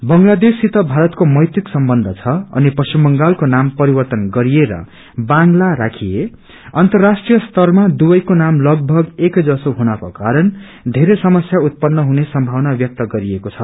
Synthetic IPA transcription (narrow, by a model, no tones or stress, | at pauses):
bʌŋlad̪esit̪ʌbʱaɾʌt̪komʌjt̪iksʌmbʌnd̪ʱʌt͡sʰʌʌ̰nipʌsimbʌŋɡalkonampʌɾibʌrt̪ʌnɡʌɾijeɾʌ̰ | baŋlaɾakʰie | ʌnt̪ʌrːasʈrijʌst̪ʌrmad̪ubʌjkonamlʌɡ̚bʱʌɡekd͡zʌsoɦunʌkokaɾʌn | d̪ʱeɾesʌmʌsjaut̪̚pʌnːʌɦunesʌmbʱawnabjʌk̚t̪ʌɡʌɾiekot͡sʰʌ